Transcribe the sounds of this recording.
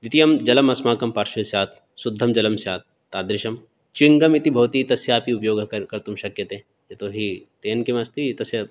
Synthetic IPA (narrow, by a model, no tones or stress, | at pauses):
d̪ɪt̪ijɐmd͡ʒɐlɐmɐsmaːkɐmpaːɾʃɐjsjaːt̪̚ʰ | sʊd̪ʱːɐmd͡ʒɐlɐmsjaːt̪̚ | t̪ːaːd̪ɾɪʃɐm | t͡ʃwɪŋɡɐmit̪ibʱɐʋt̪it̪ɐsjaːpiupjoːɡkɐkɐɾt̪ʊmʃɐkjɐt̪ɦẽ | jet̪oɦit̪eːnkimɐst̪it̪ɐsjɐ